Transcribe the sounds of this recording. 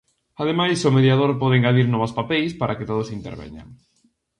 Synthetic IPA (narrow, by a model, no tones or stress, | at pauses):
að̞emajsʊmeðjað̞oɾpɔðeŋɡaðiɾnɔβaspapɛjspaɾʔaket̪oð̞ʊsint̪ḛɾβɛ̰ɲa̰ŋ